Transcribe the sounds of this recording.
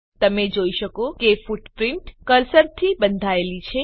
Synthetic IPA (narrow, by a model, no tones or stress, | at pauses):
t̪əmed͡ʒoiʃəkokefuʈpɾɪɳʈkəɾsəɾt̪ʰibənd̪ʱaelit͡ʃʰe